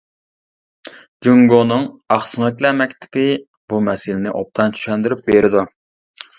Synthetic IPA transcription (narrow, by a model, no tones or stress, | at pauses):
d͡ʒuŋɡonɨŋɑχsɨŋɨkʲlɛmɛkʲt̪ʰɪ̥pɪ | bumɛsɪlɪnɪʔop̚t̪ʰɑnt͡ʃʰy̥ʃɛnd̪yɾyp̚beɾɪd̪u